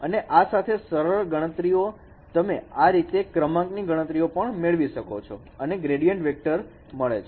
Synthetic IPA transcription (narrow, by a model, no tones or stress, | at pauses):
əneʔasat̪ʰesəɾəɭɡəɽ̃ət̪ɾio | t̪əmeaɾit̪ekɾəmãkniɡəɽ̃ət̪ɾiopəɳmeɭʋiʃəkot͡ʃʰo | əneɡɾeɽijəɳʈʋek̚ʈəɾ | məɭet͡ʃʰ